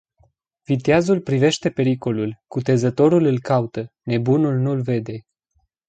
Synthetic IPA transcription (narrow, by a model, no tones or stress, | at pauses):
vit̪eazulpɾive̞ʃt̪e̞pe̞ɾiko̞lulkut̪e̞zət̪o̞ɾulɨlkaut̪əne̞bunulnulve̞d̪e̞